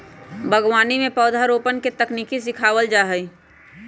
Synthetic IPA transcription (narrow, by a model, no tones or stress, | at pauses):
bʱəɡwaːnimẽpɔːd̪ʱaɾoːpənket̪əkniːkis̬ɪkʰaːwəld͡ʒaːɦəi